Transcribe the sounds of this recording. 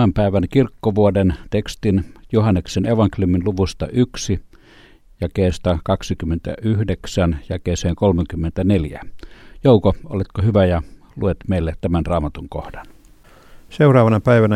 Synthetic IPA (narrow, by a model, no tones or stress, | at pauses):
æmpæˑeʋænkirkːoʋuodent̪ekst̪injuhɑnːekseneʋɑŋkelʲjuminluʋust̪ɑ̰ʔyksi | jækeˑːst̪ɑkɑksikymːent̪æ̰ʔyhdeksænjækeːseːŋkolmeŋkymːent̪æneljæ̰joˑukoo̰let̪kohyʋæjɑ | luet̪meˑilːet̪t̪æmænrɑːmɑt̪uŋko̰hdɑn | seurɑːʋɑnɑpæiʋænæ